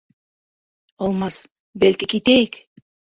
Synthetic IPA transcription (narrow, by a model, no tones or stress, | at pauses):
ɒlˠmɑs | bælkikit̪æjɘk